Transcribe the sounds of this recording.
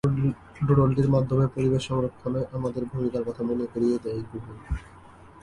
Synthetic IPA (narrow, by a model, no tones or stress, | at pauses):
ɖuɽolɖiɾmad̪ʱːomepoɾibeʃːɔŋɾokt̪ʰːoneʔamad̪eɾbʱumikaɾkɔt̪ʰamonekoɾied̪abubu